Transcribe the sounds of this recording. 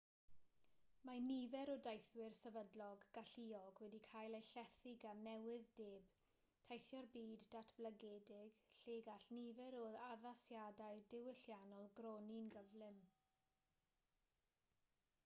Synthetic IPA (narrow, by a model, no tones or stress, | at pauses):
manivɛɾɔdajθwɪrsɛvədlɔɡɡ̥aɬiɔɡwɛdikʰajlˠejɬɛθɪɡanɛwɪðdeːb̥ | tʰajθjɔrbiːdatʰb̥lˠəɡɛːdɪɡ̥ɬeːɡaɬnivɛɾoːðaðasjadajdɪwɪɬjanɔlˠɡrɔninɡəvlˠɨm